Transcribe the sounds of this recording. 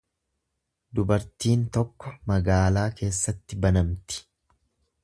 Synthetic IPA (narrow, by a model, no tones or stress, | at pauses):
d̪ʊbɐɾt̪iːnt̪ɔkːɔmɐɡaːlaːke̞ːsːɐt̪ːɪbɐnɐmt̪ɪ̥